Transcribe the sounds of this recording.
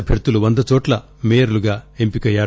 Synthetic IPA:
ɐpʰeɾt̪uluʋond̪ɐt͡ʃoːʈlɐ | meːjɐɾluɡaːempikɐjːaːɾ

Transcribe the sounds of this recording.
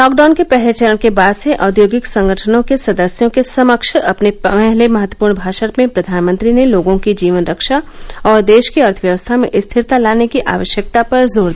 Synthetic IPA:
lɔːk̚ɖaːnkepɛɦlet͡ʃəɾəɽ̃kebaːd̪seʔɔːd̪joːɡɪksɐ̃ŋɡʱəʈʰənõkesɐd̪əsjõkesɐməkʃɐpneɛɦlemɐɦət̪ːwə̥puːɾɳbʱaːʃəɾpmẽpɾɐd̪ʱaːnmə̃nt̪ɾineloːɡõkid͡ʒiːʋənɾəkʃaɔːɾd̪eːʃkiɐɾt̪ʰəʋjəʋəst̪ʰamẽʔɪst̪ʰɪɾt̪alaːnekiʔa̰ːʋəʃjək̚t̪apɐɾzoːɾd̪i

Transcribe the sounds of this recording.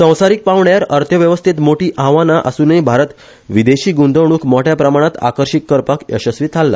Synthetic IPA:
sə̃w̃saɾik̚paʋɳjaɾəɾt̪ʰjəʋjəʋəst̪ʰit̪moʈiːʔãʋanaʔə̰suːnəibʱaɾət̪ | ʋid̪eɕiːɡund̪əwɽ̃uːkmɔʈjapɾəmaɽ̃at̪a̰kəɾɕikːəɾpakə̰ɕəsʋiːt̪ʰalːa̰

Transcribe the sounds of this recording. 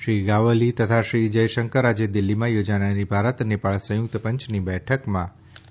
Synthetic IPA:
ʃɾiɡaʋəlit̪ət̪ʰaʃɾid͡ʒəjʃəŋkəɾad͡ʒed̪ɪlːimãjod͡ʒanaɾibʱaɾət̪nɪpaɭsə̃jʊk̚t̪pə̃ɲt͡ʃʰnibɛʈʰəkmã

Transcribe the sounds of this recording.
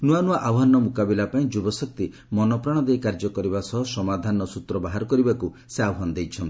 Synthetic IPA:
nuanuaʔawɦanɔmukabilapaĩd͡ʒubɔsɔk̚t̪i | mɔnɔpɾaɽ̃ɔd̪ejkaɾd͡ʒɔkɔɾibasɔɦɔsɔmad̪ʱanɔsut̪ɾɔbaɦaɾɔkɔɾibaku | seawɦand̪ejt͡ʃʰɔnt̪

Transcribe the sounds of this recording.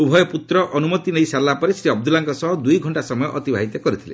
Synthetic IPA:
ubʱɔjɔput̪ɾɔʔʔɔnumɔt̪inejsalːapɔɾesɾiɔb̚d̪ulaŋkɔsɔɦɔd̪ujɡʱɔɳʈasɔmɔjɔʔɔt̪ibʱa̰ɦit̪ɔkɔɾit̪ʰilḛ

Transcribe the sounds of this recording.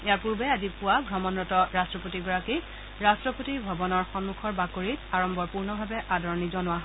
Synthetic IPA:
ejaɹpuɹbɛazipʊwaɡʱɹɔmɔnɹɔtɔɹastɹɔpotiɡɔɹaki | ɹastɹɔpotibʱɔbɔnɔɹxɔnmukʰɔɹbakoɹitaɹɔmbɔɹpuɹnɔbʱabɛʔadɔɹɔnizɔnʊwaɦ

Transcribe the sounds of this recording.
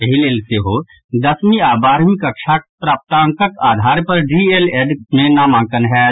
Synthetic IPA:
əɦileːlseɦo | d̪ɐsmiaːbaːɾmikɐkʃʰaːk̚pɾaːp̚t̪ãːŋkəkaːd̪ʱaːɾpɐɾɖiːeleːɖmẽnamãːŋkənɦɛː

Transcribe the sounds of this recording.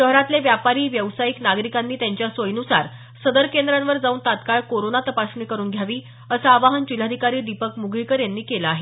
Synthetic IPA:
ʃəɦɾat̪leʋjapaɾiːʋjəʋsajiknaɡɾikanːiːt̪jaɲt͡ɕjasojnusa̰ɾ | səd̪əɾkend̪ɾãnʋəɾd͡zauːnt̪at̪kaɭkoɾonat̪əpasɳiːkəɾuːnɡʱjaʋiː | əsaːʋaɦənd͡ʑil̤ːad̪ʱikaɾiːɖ̪ipəkmuɡʱɭikəɾjanːiːkelaːɦe

